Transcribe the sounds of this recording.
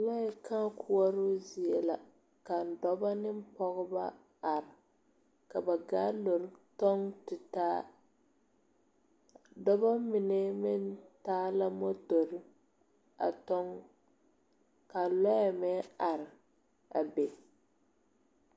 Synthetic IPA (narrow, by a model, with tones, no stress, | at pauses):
lɔ˦a˨kã˦kʰu˦ɔ˦ɾʊ˦zi˨ɛ˨la˨ | ka˨n̩˨dɔ˦ba˦nɪ˦m̩˦pɔ˦ɣʊ˦ba̰˦ | a˨ɾɪ˨ | ka˨ba˨ɡa˦lo˨ɾtɔ˦ŋtɪ˨taː˦ | dɔ˦ba˦mɪ˨nɛ˦mɪ˦ntaː˦la˦mo˦to˨ɾɪ˦ | a̰˨tɔ˦ŋ | ka˨lɔ˦ja˨mɛ˦a˨ɾɪ˨ | a̰˨be˨